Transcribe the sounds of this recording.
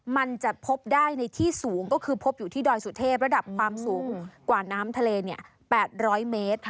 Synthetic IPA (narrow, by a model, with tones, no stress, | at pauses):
ma˧nt͡ɕa˨˩pʰo˦˥p̚daː˥˩jna˧jt̪ʰiː˥˩suː˩˦ŋkɔː˥˩kʰɯː˧pʰo˦˥p̚juː˨˩t̪ʰiː˥˩dɔː˧jsu˨˩t̪ʰeː˥˩p̬̚ɾa˧da˨˩p̚kʰwaː˧msuː˩˦ŋkwaː˨˩naː˦˥mt̪ʰa˧leː˧ni˥˩ɐ | pɛː˨˩t̪̚ɾɔː˦˥jmeː˦˥t̪̚